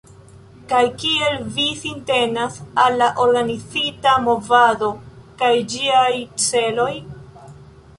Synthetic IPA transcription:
kajkie̞lvisinte̞nasalːaʔo̞ɾɡanit͡sitamo̞vado̞kajd͡ʒiajt͡se̞lo̞j

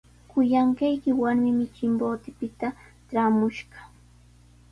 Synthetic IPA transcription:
kʊjaɴkɑjkɪwaɾmɪmɪt͡ʃɪmboːt̪ɪpɪt̪a | ʈ͡ʂaːmʊʃɢɑ̥

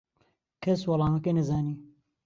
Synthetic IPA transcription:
kʰɐswɐlˠɑːnɐkeːnɐzaːniː

